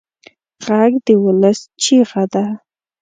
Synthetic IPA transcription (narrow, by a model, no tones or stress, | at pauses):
ʁaɡd̪əwʊləst͡ʃiʁad̪a